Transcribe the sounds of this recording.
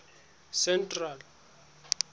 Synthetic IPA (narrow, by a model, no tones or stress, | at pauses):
sɛntʼral